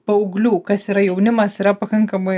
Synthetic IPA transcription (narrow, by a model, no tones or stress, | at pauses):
pɐʊɡlʲuːkɐsiːɾɐjɛʊnʲɪmɐsiɾɐpɐkɐŋkɐmɐɪ